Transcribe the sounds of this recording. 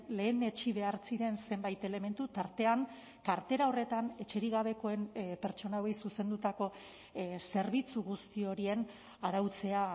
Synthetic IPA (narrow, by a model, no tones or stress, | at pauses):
le̞ːne̞t͡ʃiβe̞aɾt͡siɾe̞nse̞mbajt̪e̞le̞me̞nt̪ut̪aɾt̪e̞aŋ | kaɾt̪e̞ɾao̞re̞t̪ane̞t͡ʃe̞ɾiɣaβ̞e̞ko̞e̞npe̞ɾt͡ʃo̞naoejsusend̪ut̪ako̞ | se̞ɾβit͡suɣust̪io̞ɾie̞n | aɾawt͡se̞a